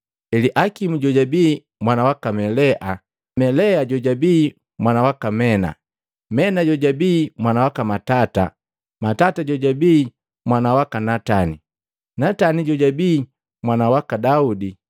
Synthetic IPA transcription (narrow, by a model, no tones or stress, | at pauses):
ɛliʔakimuɟɔɟabiː | mwanawakamɛlɛʔa | mɛlɛaɟɔɟabiː | mwanawakamɛna̰ | mɛnaɟɔɟabiːmwanawakamatata̰ | matataɟɔɟabiː | mwanawakanatani | nataniɟɔɟabiː | mwanawakadaudi